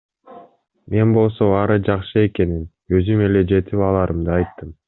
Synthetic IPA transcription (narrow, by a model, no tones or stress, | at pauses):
mʔe̞nbo̞lˠso̞ɑɾɯd͡ʒɑqʃɯe̞ke̞nin | ø̞zyme̞le̞d͡ʒe̞t̪ipɑlˠɑɾʔɯmd̪ɯɑjt̪ːɯm